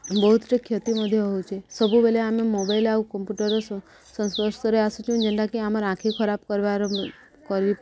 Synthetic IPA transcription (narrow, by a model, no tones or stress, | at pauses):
bəɦut̪t͡ʃekʰjət̪iməd̪ʱjeɦɔũt͡ʃʰesəbʱũbɛleamemobailaʋũkəmpjuʈəɾos | sənsʋəɾʃt̪əɾeasũt͡ʃʰũd͡ʒənɖakeaməɾãkʰikʰəɾab̚kəɾʋaɾ | kəɾʋi